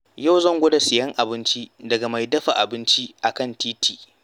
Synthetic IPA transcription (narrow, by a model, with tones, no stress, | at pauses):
ja˦wzɐ˦ŋɡʷʊ˦da˨sɪ˨jɐ˦ŋʔa˨bɪ˦nt͡ʃi˦dɐ˨ɡa˨ma˨jdɐ˦ɸa˨ʔa˨bɪ˦nt͡ʃi˦ʔa˨kɐ˦˨ntiː˦tiː˨ʔ